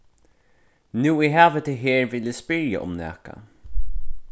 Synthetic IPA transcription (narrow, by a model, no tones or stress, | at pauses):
nʉːɪɦæːvət̪ʰɪɦeːɹvɪlɪspɪɾja̰ʔʊ̰mnɛ̰ːka̰